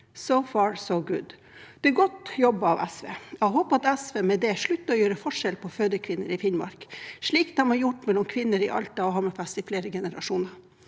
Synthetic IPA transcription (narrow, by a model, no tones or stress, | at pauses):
soʊfɑɹsoʊɡʉd̪ | d̪̥ɛːɡɔt̪ːjɔbəɑ̰ʋɛ̰sʋḛːɔɦoːpəɑt̪ɛsʋeːmɛd̪ɛʂɭʉt̪ːəɔjøːɾəfɔʂɛlpʰɔføːd̪əkʰʋɪnːəɾɪfɪnmɑ̰ɾkʂɭiːkd̪̥ɛɑɾmɑjʊʈːmɛlːɔmkʰʋɪnːəɾɪʔɑ̰lt̪ɑɔhɑːɾməfɛst̪ɪfleːɾəɡɛnəɾɑ̰ʂuːnəɾ